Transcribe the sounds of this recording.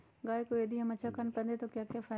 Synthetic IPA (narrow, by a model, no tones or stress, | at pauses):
ɡaːekoeːd̪iɦɐmɐt͡ʃʰakʰənpɐ̃nd̪et̪okjaːkjaːfʰaː